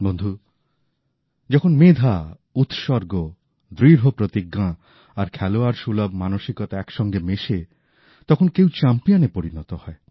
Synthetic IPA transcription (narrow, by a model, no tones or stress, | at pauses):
bond̪ʱu | d͡ʒɔkʰonmed̪ʱa | ut̪ʃɔɾɡo | d̪ɾiɾɦopɾot̪iɡːã | aɾkʰɛloaɾʃulɔbʱmanoʃikɔt̪aɛkʃɔŋɡemeʃe | t̪ɔkʰonkewt͡ɕampijɔnepoɾinɔt̪ɔhɔe